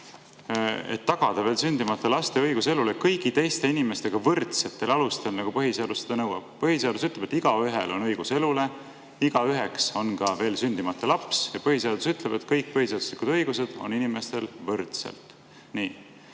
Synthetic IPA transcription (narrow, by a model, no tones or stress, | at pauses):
ḛt̪ːɑɡ̥ɑd̪̥ɑve̞ːlsynʲd̪̥imɑt̪ːˑelɑst̪e̞ɤjɡ̥use̞lulekɤjɡit̪e̞jst̪e̞inime̞st̪e̞ɡ̥ɑvɤrt̪se̞t̪ːˑe̞lɑlust̪e̞lnɑɡ̥upɤɦiseɑd̪used̪ɑnɤwɑ̰b̥̚pɤɦiseɑd̪us̬yt̪ːˑleb̥e̞t̪ːiɡ̥ɑyɦelʔo̞nɤjɡ̥use̞lule̞ | iɡ̥ɑyɦe̞kso̞nɡɑve̞ːlsynʲd̪̥imɑt̪ːˑelɑpsjɑpɤhise̞ɑd̪̥usyt̪ˑleb̥e̞t̪kɤjk̚pɤhised̪̥u̥slikud̪ɤjɡ̥use̞d̪̥o̞̰ninime̞st̪e̞lvɤrt̪sḛlt̪ˑ | niː